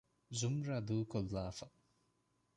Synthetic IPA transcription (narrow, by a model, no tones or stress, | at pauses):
zumɾad̪ukɔlːafaʔ